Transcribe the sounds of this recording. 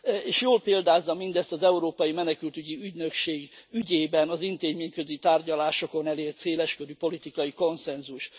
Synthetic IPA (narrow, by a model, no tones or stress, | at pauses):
eːʃjoːlpeːld̪aːzːɒmind̪ɛst̪ɒzɛuɾoːpɒjimɛnɛkylt̪yɟiyɟnø̞kʃeːɡyɟeːbɛnɒzint̪eːɟmeːɲkø̞zit̪aːrɟɒlaːʃo̞ko̞nɛleːrt̪seːlɛʃkøɾypo̞lit̪ikɒjiko̞nsɛnzuʃ